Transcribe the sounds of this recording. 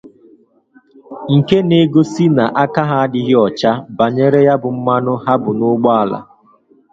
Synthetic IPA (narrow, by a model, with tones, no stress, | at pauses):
ŋ̩˨ke˦ne˦ɡo˦si˦na˨ʔa˦ka˦ɦa˨a˦dɪ˦ɦɪ˦ɔ˨t͡ʃa˦ba˨ɲe˦ɾe˦ja˦bʊ˨m̩˦ma˦nʊ˦ɦa˦bʊ˨nʊ˦ɡ͡bɔ˦a˨la̰˨